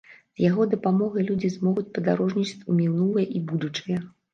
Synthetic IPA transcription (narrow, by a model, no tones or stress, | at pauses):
z̥jaɣɔd̪ɐpamɔɣɐjlʲud͡zʲizmɔɣut͡sʲpɐd̪aɾɔʐnʲit͡ʂɨ̥t͡sʲumʲiwnulˠɨjɐʔibud̪ut͡ʂɨjɐ